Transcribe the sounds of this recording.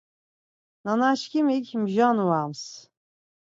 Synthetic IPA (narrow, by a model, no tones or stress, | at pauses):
nanaʃkʰimikʲmʒanuwams